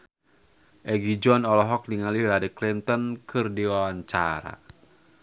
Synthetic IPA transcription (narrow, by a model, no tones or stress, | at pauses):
ʔɛɡid͡ʒɔnɔlɔɦɔk̚diŋalilaɾiklint̪ɔnkɨrdiwawaɲt͡ʃa̰ɾa̰